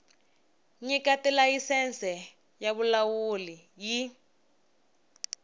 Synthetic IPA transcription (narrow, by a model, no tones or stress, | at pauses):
ɲikatɛlajisɛnt͡sɛ | jaβulawuli | ji